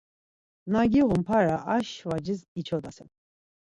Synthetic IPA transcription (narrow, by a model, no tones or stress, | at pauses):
naɡiʁumpʰaɾaʔaʃvad͡ʒisit͡ʃʰɔd̪asɛ̰n